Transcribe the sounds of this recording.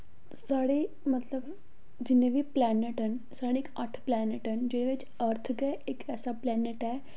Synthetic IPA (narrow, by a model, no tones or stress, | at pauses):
saːɽeː | mət̪ləb | d͡ʒɪnːẽbʱiplɛːneʈɦən | saːɽeːkəʈʰplɛːnɪʈɦənd͡ʒɪɽẽʋɪt͡ʃ | əɾt̪ʰɡɛɪkɛːsaplɛːneʈɦɛː